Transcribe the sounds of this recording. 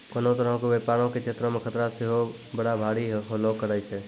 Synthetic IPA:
kənõt̪əɾəɦõkeʋeːpaːɾõket͡ʃʰet̪ɾəmẽkʰət̪ɾaseɦo | bəɽabʱaːɽiɦolokːəɾaiseː

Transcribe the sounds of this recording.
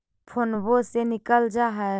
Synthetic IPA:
pʰonbosenɪkəld͡ʒaɦɛ

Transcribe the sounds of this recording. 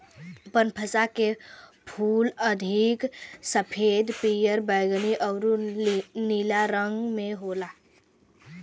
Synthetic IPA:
bənpʰəsakepʰuːləd̪ʱiksəpʰeːd̪pijəɾbəːɡniʔəwɾuniːlaɾə̃ŋɡmẽɦoːlaː

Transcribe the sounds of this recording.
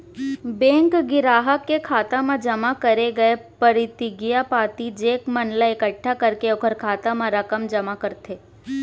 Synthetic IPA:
bɛ̃ːŋkɡɪɾaːɦəkːekʰaːt̪amãd͡ʒɐmakɐɾeɡɐepɐɾɪt̪ɪɡijapaːt̪id͡ʒeːkmɐnləɪkəʈʰːakɐɾkeʊkʰəɾkʰaːt̪amãɾɐkəmd͡ʒɐmakɐɾt̪ʰeː

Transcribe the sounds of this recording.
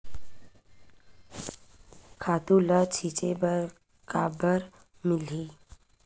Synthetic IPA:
kʰaːt̪ulət͡ʃʰit͡ʃebəɾ | kabəɾ | mɪliː

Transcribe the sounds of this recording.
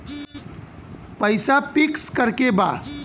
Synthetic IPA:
pəjsapikskəɾkeba

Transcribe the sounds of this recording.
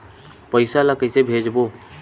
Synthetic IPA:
pəɪsalakəɪsebʱeːd͡ʒboː

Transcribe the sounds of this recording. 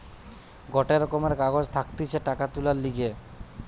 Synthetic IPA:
ɡɔʈeɾɔkomeɾkaɡod͡ʑt̪ʰakt̪it͡ɕʰeʈakat̪ulaɾliɡe

